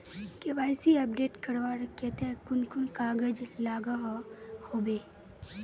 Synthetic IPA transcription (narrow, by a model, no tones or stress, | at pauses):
keʋaːjsiɐpɖeːʈkɐɾʋaːɾket̪ekʊnkʊnkaːɡəd͡ʒlaːɡaɦhoːbeː